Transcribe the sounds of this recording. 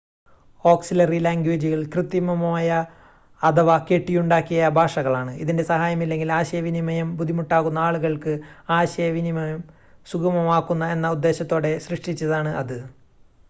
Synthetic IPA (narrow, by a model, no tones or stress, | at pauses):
o̞ːksilɐrilaːŋɡweːd͡ʑiɣɐɭkrɨt̪ːjimɐmaːjɐː | d̪ɐʋɐke̞ʈːijuɳɖaːkːijɐbʱaːʂɐɣɐɭaːɳɨiðinde̞sɐɦaːjɐmilːe̞ŋɡilaːɕɐjɐʋinimɐjɐmbud̪ʱimuʈːaːɣunːɐaːɭuɣɐɭkɨaːɕɐjɐʋinimɐjɐm | suɡɐmɐmaːkːunːɐe̞nːɐud̪ːe̞ːɕɐt̪ːo̞ːɽe̞ɕrɨʂʈit͡ɕːɐðaːɳɨʔɐðɨ